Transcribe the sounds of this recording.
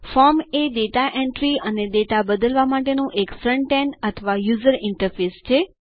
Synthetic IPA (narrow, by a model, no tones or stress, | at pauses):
fɔɾmeɖet̪aʔẽɳʈɾiəneɖet̪abəd̪əlʋamaʈenũʔekfɾəɳʈenət̪ʰəʋajuzəɾɪ̃ɳʈəɾfest͡ʃʰe